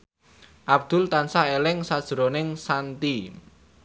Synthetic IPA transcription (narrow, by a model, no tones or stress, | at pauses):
ʔab̚d̪̥ʊ̤lt̪ansaelɪŋsad̥ʒ̥ɾonɪŋsant̪i